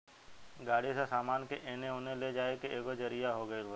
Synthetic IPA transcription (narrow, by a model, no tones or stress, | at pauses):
ɡaːɽ̤isãsaːmaːnkeʔeːneɦoːneled͡ʒaːekeeːɡod͡ʒəɾijaɦoːɡəeɡo